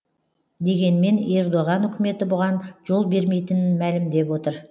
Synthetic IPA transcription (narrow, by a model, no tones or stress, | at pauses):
d̪e̞ɡʲe̞nme̞ne̞ɾd̪oʁɑnʏkʲɪme̞t̪ɪbʊʁɑnʒo̞lˠbe̞ɾme̞jt̪ɪnɪnmælɪmd̪e̞pwo̞t̪əɾ